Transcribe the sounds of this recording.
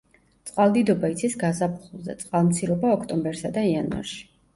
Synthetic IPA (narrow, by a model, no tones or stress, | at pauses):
t̪sʼqʼwalˠd̪id̪ɔbait̪sʰisɡazapʰχulˠzɛ̰t̪sʼqʼalˠmt̪sʰiɾɔbaɔkʰt̪ʼɔmbɛɾsad̪aianva̰ɾʃi̥